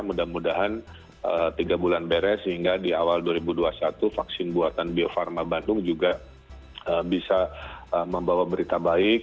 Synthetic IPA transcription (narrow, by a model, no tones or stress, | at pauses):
mudamudaɦan | ət̪iɡabulanbeɾɛsəɦiŋɡadiawalduaɾibuduasat̪ufaksɪnbuat̪anbiofarmabandʊŋd͡ʒuɡa | əbisaəməmbawabəɾit̪abaɪk̚